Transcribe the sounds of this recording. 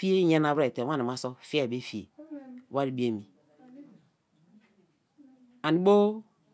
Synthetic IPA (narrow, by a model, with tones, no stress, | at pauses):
fi˦i˦ɲa˦na˨be˨te˨wa˦˨na˨ma˦so˦fi˦a˦˨be˦fi˨ḛ˨wa˦ɾi˨˦bi˦e˨mi˨ | a˨ni˨˦bo˦